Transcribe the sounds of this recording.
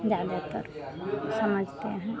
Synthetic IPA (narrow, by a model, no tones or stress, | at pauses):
d͡ʒad̪ək̪ə̰ɾsəməd͡ʒʱt̪eɦɛ̃